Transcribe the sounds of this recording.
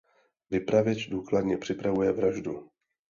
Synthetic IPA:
vɪpɾavjɛt͡ʃduːkladɲɛpr̝̥ɪpɾavujɛvɾaʒdu

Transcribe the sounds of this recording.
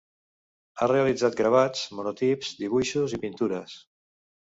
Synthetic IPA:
areəlid͡zat̪̚ɡɾaβ̞ad͡zmunot̪ipz̥d̪iβ̞uʃuzipint̪uɾəs

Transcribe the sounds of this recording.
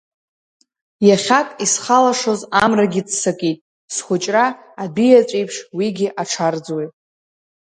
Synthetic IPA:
jaχʲakʼisχalaʂo̞zamraɡʲɪt͡ssakʼitʼ | sχʷʊt͡ʃʼraː | bijat͡ʃʷʼejpʰʂwiɡʲiʔaʈ͡ʂʰard͡zwajtʼ

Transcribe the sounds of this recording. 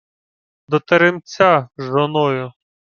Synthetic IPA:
d̪ɔt̪eɾɪmt͡sʲaʒɔnɔjʊ

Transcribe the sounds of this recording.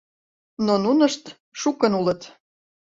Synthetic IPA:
nonunəʃt̪ | ʃukənulə̆t̪

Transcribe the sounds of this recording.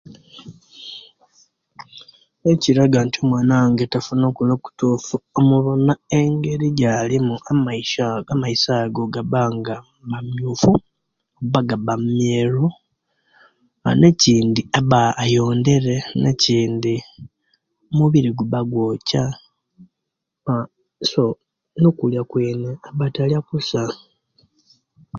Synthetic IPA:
eciɾaɡantʰiomwaːnaŋɡetafuno̞ːkuloku̥tuːfuomuβonaeŋɡe̞ɾiɟalimuamaiʃaamaisaːɡo̞ɡaβaːŋɡa | bamjuːfu | oβaɡaβammjeːɾu | aneciːndiaβaːjo̞ːnde̞ɾe̞neciːndi | omuβiɾiɡuβaɡwoːca | a | so | nokuljakweːneaβataljakusa

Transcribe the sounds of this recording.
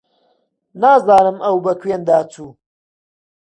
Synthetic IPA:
naːzaːnɨmʔɐwbɐkʰweːnd̪aːt͡sʰuː

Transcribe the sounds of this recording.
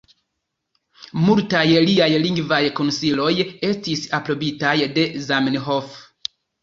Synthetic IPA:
multajliajliŋɡvajko̞nsilo̞je̞stisapɾo̞bitajde̞zamnɦof

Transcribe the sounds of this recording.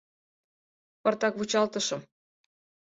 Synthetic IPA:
pɑrt̪ɑkβut͡ɕɑlt̪ə̆ʃɤ̆m

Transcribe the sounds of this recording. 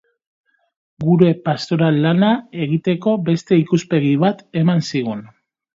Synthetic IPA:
ɡuɾe̞past̪o̞ɾalːanae̞ɣit̪e̞ko̞be̞st̪e̞ikuspe̞ɣiβat̪e̞mansiɣ̞un

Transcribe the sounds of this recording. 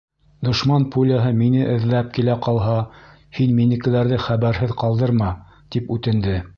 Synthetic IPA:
d̪ŏʃmɑnpʰulʲaɦɤminɘʔɘ̆ðlæp̚kilæqɑlˠɦɑ | hinminɘ̆kɘ̆læɾðɘχæβæɾɦɘðqɑlˠd̪ɤɾmɑ | t̪ipʉt̪ɘ̆nd̪ɘ

